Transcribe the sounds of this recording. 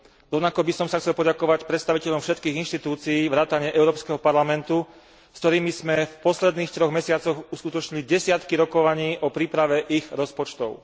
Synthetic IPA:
ɾɔʊnakɔbisɔmsaxtt͡sɛlpɔɟakɔʋacpɾɛt̪st̪aʋicɛʎɔmfʃɛt̪kiːɣinʃt̪it̪uːt͡siiːʋɾaːt̪aɲɪɛʔɛʊɾɔːpskɛɦɔpaɾlamɛnt̪u | skt̪ɔɾiːmizmɛfpɔslɛd̪niːxt̪ɾɔɣmɛsɪat͡sɔɣuskut̪ɔt͡ʃɲiliɟɛsɪat̪kiɾɔkɔʋaɲiːʔɔpɾiːpɾaʋɛʔiɣɾɔspɔt͡ʃt̪ɔʊ

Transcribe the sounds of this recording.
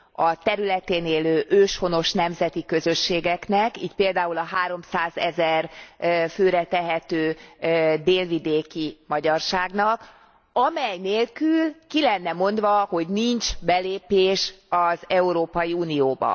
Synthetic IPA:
ɒt̪ɛɾylɛt̪eːneːløːʔøːʃho̞no̞ʃnɛmzɛt̪ikø̞zø̞ʃːeːɡɛknɛkḭːt̪peːld̪aːulɒɦaːɾo̞msaːzɛzɛrføːɾɛt̪ɛɦɛt̪øː | d̪eːlvid̪eːkimɒɟɒrʃaːɡnɒk | ɒmɛjneːlkylkilɛnːɛmo̞nd̪ʋɒho̞ɟnint͡ʃbɛleːpeːʃɒzɛuɾoːpɒjiuːnijoːbɒ̰

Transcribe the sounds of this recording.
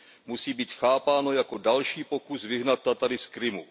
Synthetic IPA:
musiːbiːt̪xaːpaːno̞jako̞dalʃiːpo̞kusvɪɦnat̪̚ːat̪adɪskɾɪmṵ

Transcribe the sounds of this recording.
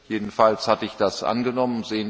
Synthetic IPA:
jeːdn̩falshatəɪçd̥asʔa̰nɡənɔmənzeːən

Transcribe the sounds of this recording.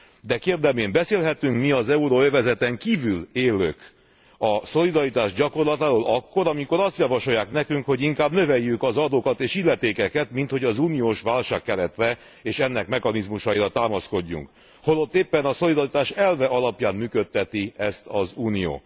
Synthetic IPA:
d̪ɛkeːrd̪ɛmeːmbɛseːlɦɛt̪yŋkmiɒzɛuɾoøvɛzɛt̪ɛŋkiːvyleːlːø̰k | ɒso̞lid̪ɒɾit̪aːʒɟɒko̞rlɒt̪aːɾoːlɒkːo̞ɾɒmiko̞ɾɒst̪jɒvɒʃo̞jaːknɛkyŋkho̞ɟiŋkaːbnø̞vɛjːykɒzɒd̪oːkɒt̪eːʃilːɛt̪eːkɛkɛt̪mint̪ho̞ɟɒzuːnijoːʃʋaːlʃaːkːɛɾɛt̪rɛ | eːʃɛnːɛkmɛkɒnizmuʃɒiɾɒt̪aːmɒsko̞ɟːṵŋk | holot̪ːeːpːɛnɒso̞lid̪ɒɾit̪aːʃɛlvɛɒlɒpjaːnmyːkø̞t̪ːɛt̪iɛst̪ʰɒzuːnijo̰ː

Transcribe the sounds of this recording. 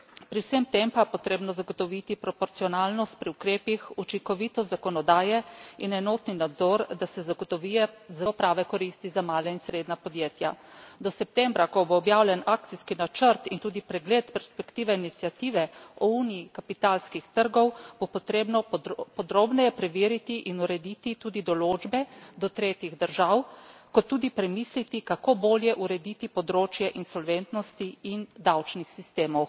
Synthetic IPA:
pɾiwsəmt̪empapɔt̪ɾeːbnɔzaɡɔt̪ɔʋit̪ipɾɔpɔɾt̪siɔnaːlnɔst̪̚pɾiukɾeːpixut͡ʃiŋkɔʋiːt̪ɔzzakɔnɔd̪aːjɛinɛnoːt̪ninad̪zɔɾd̪asɛzaɡɔt̪ɔʋijɛzapɾaːʋɛkɔɾiːst̪izamaːlainsɾeːd̪napɔd̪jeːt̪ja̰d̪ɔsɛp̚t̪ɛmbɾakɔboːbjaːwlʲɛnaːk̚t̪iskinat͡ʃəɾt̪int̪uːd̪ipɾɛɡleːt̪pɛɾspɛkt̪iːʋɛinit̪sjat̪iːʋɛɔuniikapit̪alskixt̪əɾɡɔwb̥opɔt̪ɾeːbnɔpɔd̪ɾoːbnɛjɛpɾɛʋeːɾit̪iʔinuɾɛd̪it̪it̪uːd̪id̪ɔloːd͡ʒbɛd̪ɔt̪ɾeːt̪jiɣd̪əɾʒawkɔt̪ːuːd̪ipɾɛmiːslit̪ikakoboːljɛʔuɾɛd̪it̪ipɔd̪ɾoːt͡ʃjɛʔinsɔlʋɛnt̪nɔst̪iind̪awt͡ʃnixsist̪eːmɔw

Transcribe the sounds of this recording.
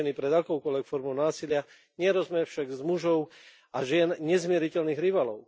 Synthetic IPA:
ɛnipɾɛd̪akɔʊkɔlʋɛkfɔɾmɔʊnaːsilɪa | ɲɛɾɔzmɛfʃaɡzmuʒɔʊ | aʒɪɛnɲɛzmɪɛɾicɛlniːɣɾiʋaːlɔʊ

